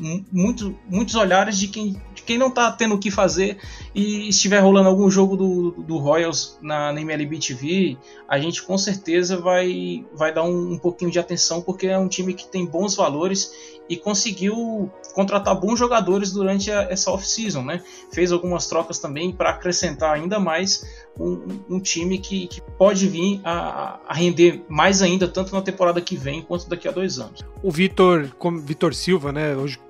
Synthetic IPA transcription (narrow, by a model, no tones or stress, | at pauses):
mũj̃t̪ʊmũj̃t̪ʊzoʎaɾɪzd͡ʒɪkẽj̃d͡ʒɪkẽj̃nɐ̃w̃t̪at̪ẽnd̪ʊkɪfazeɾɪːst͡ʃivɛɾɦolɐ̃nd̪ʊawɡũʒoɡʊd̪ʊd̪ʊɦɔjowznɐnɐẽmɛlibit͡ʃivi | aʒẽnt͡ʃɪ̥kõseɾt̪ezɐvajvajd̪aũːpokĩɲʊd͡ʒɪat̪ẽsɐ̃w̃poɾkeɛũt͡ʃĩmɪkɪ̥t̪ẽj̃bõw̃zvaloɾɪs | ɪkõsɪɡiw | kõnt̪ɾat̪aɾbõzʒoɡad̪oɾɪzd̪uɾɐ̃nt͡ʃɪɐɛsɐɔfsizõw̃nɛ | fejzawɡũmɐst̪ɾɔkɐst̪ɐ̃mbẽj̃pɾɐːkɾesẽnt̪aɾaĩnd̪ɐmajs | ũũt͡ʃĩmɪkɪkɪpɔd͡ʒɪvĩɾa̰a̰ɦẽnd̪emajzaĩnd̪ɐt̪ɐ̃nt̪ʊnɐt̪ẽmpoɾad̪ɐkɪvẽj̃kwɐ̃nt̪ʊd̪akiad̪ojzɐ̰̃nʊsʊvit̪oɾkõmvit̪oɾsiwvɐnɛoʒɪ